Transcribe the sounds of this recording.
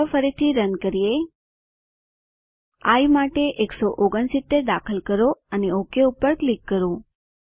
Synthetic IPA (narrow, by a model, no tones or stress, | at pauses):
fəɾit̪ʰiɾənkəɾije | a̰jmaʈeʔeksoʔoɡəɳsɪt̪ːeɾd̪akʰəlkəɾoəneokeupəɾklikːəɾo